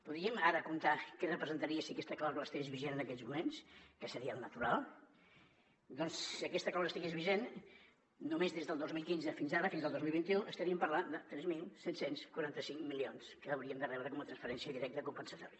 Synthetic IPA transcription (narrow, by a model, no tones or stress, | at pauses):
puðɾiəmaɾəkunt̪akɛrəpɾəzənt̪əɾiəsiəkɛst̪əklawzuləːst̪iɣezβiʒenənəkɛʎzmumenskəsəɾiəlˠnət̪uɾalˠ | d̪ɔnssiəkɛst̪əklawzəst̪iɣezβiʒen | numezðezðəlˠd̪ozmilˠkinzəfinzaɾəfinzðəlˠd̪ozmilˠβint̪iuʔəst̪əɾiəmpəɾland̪ət̪ɾɛzmilˠsɛt̪senskuɾant̪əsiŋmilionskəːwɾiəmd̪ərɛβɾəkɔmət̪ɾənsfəɾɛnsiəðiɾɛk̚t̪əəkumpənsət̪ɔɾiə